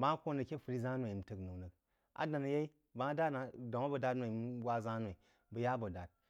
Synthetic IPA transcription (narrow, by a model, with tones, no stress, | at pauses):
bã˨˦ko˦nɨ˨kʲe˦ɸu˦ɾi˦za˦nʷa˨m̩˨tɨ˨knɨ˨knɨ˨k̚ | a̰˦da˨na˨je˦i˦ | ba˨˦da˦na˨do˨a˦bɐ˨da˦tnʷ˦a˨m˦ɡʷa˦˨za˦nwa˨i˨ | bə˨ja˦bo˨da˨t̚